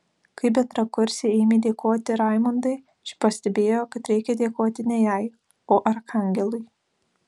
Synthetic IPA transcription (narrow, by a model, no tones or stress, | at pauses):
kɐɪbʲɛt̪ɾɐkʊɾʲsʲeɛɪmʲeːd̪ʲeːkoːt̪ʲɪɾɐˑɪmʊnd̪ɐɪ | t͡ʃʲɪ̥pɐsʲt̪ʲɛbʲeːjoːkɐt̪ɾʲɛɪkʲɛd̪ʲeːkoːt̪ʲɪnʲɛjɛɪ | oːʔɐɾkɐŋʲɡʲɛlˠʊɪ